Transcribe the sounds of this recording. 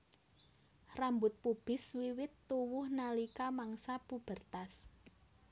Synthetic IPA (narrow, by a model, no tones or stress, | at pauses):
rambʊt̪̚pub̥ɪ̤swiwɪt̪ːuwʊhnalikamaŋsapub̥ərt̪as